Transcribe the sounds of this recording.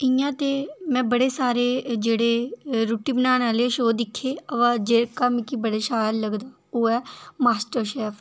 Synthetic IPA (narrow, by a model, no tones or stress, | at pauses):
ɪjãːt̪eːmɛ̃ːbəɽeːsaːɾeːd͡ʒeːɽeːɾuːʈiːbənaːnaːleːʃoːd̪ɪkʰːeːəʋãːd͡ʒeːkaːmkiːbəɽeːʃaːjlləɡd̪aː | oːɛːmaːsʈəɾʃɛːpʰ